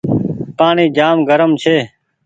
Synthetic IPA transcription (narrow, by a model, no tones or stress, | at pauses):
paːɳiːd͡ʒaːmɡʱəɾəmt͡ʃʰeː